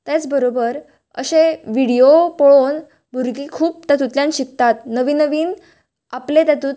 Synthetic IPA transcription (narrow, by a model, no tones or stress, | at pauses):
t̪et͡sbəɾobəɾ | ə̰ɕeʋiɽijopɔɭon | bʱuɾɡiːkʰuːp̚t̪jat̪̬ut̪ljãnɕik̚t̪at̪nəʋiːnəʋiːn | aplet̪jat̪uːt̪